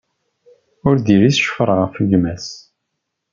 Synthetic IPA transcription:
ʊɾðiɾisʃfəɾˤʁəfəɡmæs

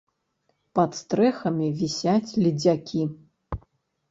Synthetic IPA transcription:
pɐt̪st̪ɾɛxɐmʲivʲisʲat͡sʲlʲid͡zʲakʲʰi

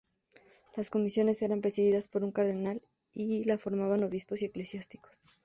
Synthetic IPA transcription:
lasko̞misjo̞ne̞se̞ɾampɾe̞siðiðaspo̞ɾuŋkaɾðe̞nal | ilafo̞ɾmaβano̞βispo̞sie̞klesjast̪i̥ko̥s

